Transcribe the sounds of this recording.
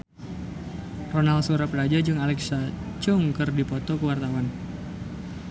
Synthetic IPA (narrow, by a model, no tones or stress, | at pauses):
rɔnalsuɾaplad͡ʒad͡ʒɨŋalɛksat͡ʃɔŋkɨrdipɔt̪ɔkuwart̪awan